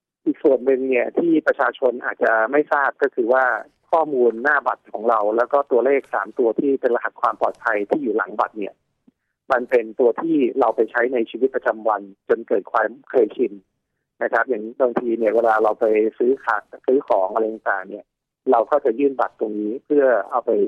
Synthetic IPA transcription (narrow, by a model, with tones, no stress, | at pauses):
ʔi˨˩k̚su˨˩ənːɯ˧ŋni˥˩ət̪ʰiː˥˩pɾa˧t͡ɕʰaː˧t͡ɕʰo˧nʔaː˨˩t̪̚t͡ɕa˨˩ma˥˩jsaː˥˩p̚kɔː˥˩kʰɯː˧waː˥˩ | kʰɔː˥˩muː˧nːaː˥˩ba̰˨˩t̪̚kʰɔː˩˦ŋɾa˧wlɛː˦˥wkɔː˥˩t̪u˧ɐleː˥˩k̚sa̰ː˩˦mt̪u˧ɐt̪ʰiː˥˩pe˧nla˧ɦa˨˩t̪̚kʰwaː˧mpɔ̰ː˨˩t̪̚pʰa˧jt̪ʰiː˥˩juː˨˩la̰˩˦ŋba̰˨˩t̪̚ni˥˩ɐ | ma˧npe˧nt̪u˧ɐt̪ʰiː˥˩ɾa˧wpa˧jt͡ɕʰa˦˥jna˧jt͡ɕʰiː˧wi˦˥pɾa˧t͡ɕa˧mwa˧nt͡ɕo˧nkɤː˨˩t̪̚kʰwaː˧mkʰɤː˧jt͡ɕʰi˧n | na˦˥kʰɾa˦˥p̚ja˨˩˦ŋbaː˧ŋt̪ʰiː˧ni˥˩ɐweː˧laː˧ɾa˧wpa˧jsɯː˦˥kʰaː˨˩sɯː˦˥kʰɔː˩˦ŋʔa˧ɾa˧jːa˨˧˩ŋt̪a̰ː˨˩ŋni˥˩ɐ | ɾa˧wkɔː˥˩t͡ɕa˨˩jɯː˥˩nba˨˩t̪ːo˧ŋniː˦˥pʰɯ˥˩ɐʔa˧wpa˧j